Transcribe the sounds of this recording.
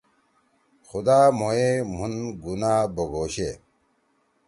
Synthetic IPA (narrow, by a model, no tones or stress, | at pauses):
xud̪aːmoem̤unɡunaːboɡoːɕḛ